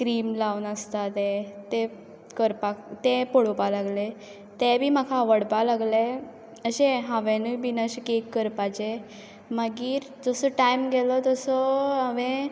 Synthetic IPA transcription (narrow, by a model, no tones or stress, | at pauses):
kɾiːmlawnəst̪at̪et̪e | kəɾpakt̪epoɽopalaɡle | t̪ɛbʱiːm̤akʰaːʋəɽpalaɡle | əɕẽɦãʋenubinəɕəkekːəɾpat͡ɕe | maɡiːɾ | d͡zɔsɔʈajmɡɛlɔt̪ɔsɔaʋẽ